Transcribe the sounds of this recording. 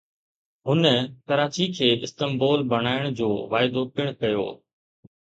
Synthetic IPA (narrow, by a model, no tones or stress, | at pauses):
ɦʊnəkɐɾaːt͡ɕikʰeːʔɪst̪əmbɔːlbɐɽ̃aːɪɽ̃d͡ʑoːʋaːɪd̪opɪɽ̃kɐjo̰ː